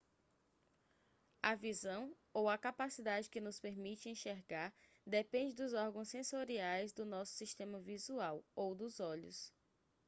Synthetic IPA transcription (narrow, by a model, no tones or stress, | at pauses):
avizɐ̃w̃ | owɐkapasid̪ad͡ʒɪkɪnʊspeɾmit͡ʃɪẽʃeɾɡaɾ | d̪epẽd͡ʒɪd̪ʊzɔɾɡɐ̃w̃sːẽsoɾiajzd̪ʊnɔsʊ̥siʃt̪ẽmɐvizuawowd̪ʊzɔʎʊ̰s